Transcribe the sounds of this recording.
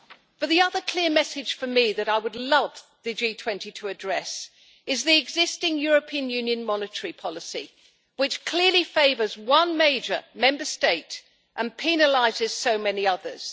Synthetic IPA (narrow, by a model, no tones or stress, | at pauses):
b̥əðiʌðəkʰl̥ɪəmɛsɨd̥ʒ̥fə˞miðɨɾaɪwədˡlʌvðɨd͡ʒitʰw̥ɛ̃ntitʰəːdɹɛs | ɨzðiɨɡzɪstɪ̃ŋjɔɹɨpʰĩɨ̃njʉ̃njɨ̃nmɑnɨtʰə˞ipʰɑlˠəsḭ | wɨt͡ʃkʰl̥ɪɹlifeɪvə˞zwʌ̃nmeɪd͡ʒə˞mɛ̃mbə˞steɪt | ʔə̃npʰinəlaɪzɪz̥soʊmɛniʌðə̰˞z̥